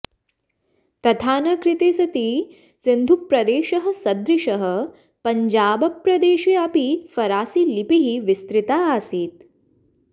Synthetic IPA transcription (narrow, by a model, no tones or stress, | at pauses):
t̪ɐt̪ʰaːnɐkɾit̪eːsɐt̪i | sind̪ʱupːɾɐd̪eːʃɐɦɐ̆sɐd̪ɾiʃɐɦɐ̆ | pɐɲd͡ʒaːbɐpɾɐd̪eːʃiɐpifɐɾaːsilipiɦiʋist̪ɾit̪aːaːsiːt̪